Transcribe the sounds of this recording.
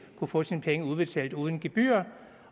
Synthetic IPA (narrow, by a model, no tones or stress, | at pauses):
kʰufɔ̽ːsinpʰeŋəuðˠb̥e̝t͡sʰɛ̰ːld̥uːð̞ˠn̩ɡ̥e̝b̥y̰ːɐ